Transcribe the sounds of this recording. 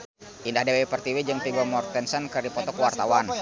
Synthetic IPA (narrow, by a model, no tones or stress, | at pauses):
ʔindahdawɛpərt̪iwɛd͡ʒəŋt̪ibɔmɔrt̪ɛnsənkərdipɔt̪ɔkuwart̪awan